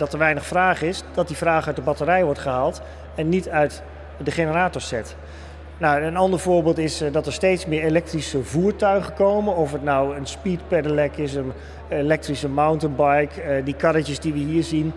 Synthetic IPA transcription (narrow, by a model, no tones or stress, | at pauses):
dɑtəɹʋɛjnəχfraːχɪsd̥ɑt̚divraːχœɥt̚dəbɑtəɾɛjʋɔɹtχəɦaːlˠt | ɛnːitœɥt | dəχenəraːtɔɹsɛt | nawənɑndəɹvʊːɹbɪːlˠtɪsdɑtəɹstejtsmɪːɹelɛk̚trisəvuːɹtœɥχəkowmənɔfətnɔwənspit̚pɛdəlɛkɪs̬ən | elɛk̚trisəmawntənbɑjkdikɑɾətəzdiʋəɦiːɹzin